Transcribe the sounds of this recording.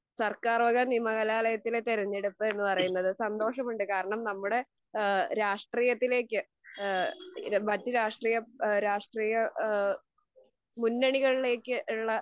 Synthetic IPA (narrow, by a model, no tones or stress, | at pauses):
sɐrkaːrʋɐɣɐniːmɐɣɐlaːlɐjɐt̪ːilet̪eɾɐɲːeɽupːɨe̞nːɨpɐrɐjunːɐðɨsɐnd̪o̞ːʂɐmuɳɖɨkaːɾɐɳɐmnɐmːuɽe̞ | ɾaːʂʈriːjɐt̪ːile̞ːkʲːɨ | mɐtːɨɾaːʂʈriːjɐɾaːʂʈriːjɐ | munːɐɳiɣɐɭile̞ːkʲːɨʔuɭːɐ